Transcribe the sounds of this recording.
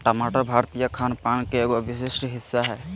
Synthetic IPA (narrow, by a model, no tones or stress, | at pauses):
ʈamaʈabʱaɾt̪ijakʰanpankeeːɡɔbis̬esʈɦɪsːaɦɛ